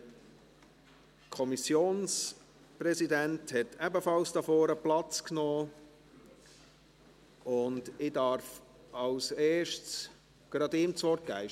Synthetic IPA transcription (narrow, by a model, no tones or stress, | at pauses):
kʰɔmisjoːns | prɛsidænthɛtʰɛbəfɑlsd̥ɑfɔːɾəplɑt͡sknɔː | ʊndɪdɑɾf | ɑlseːʃts | ɡ̥ɾɑdɪmt͡svɔrt̚ɡ̥æɪ